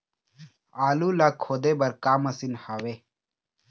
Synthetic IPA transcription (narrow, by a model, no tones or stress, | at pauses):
aːluːlaːkʰoːd̪eːbɐɾkaːmɐsinhaːweː